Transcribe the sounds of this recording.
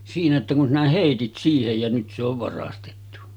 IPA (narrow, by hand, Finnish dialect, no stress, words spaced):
siːnæ etːæ kun sinæ heˑitit siːhej jɑ nyt se oʋ ʋɑrɑstetːu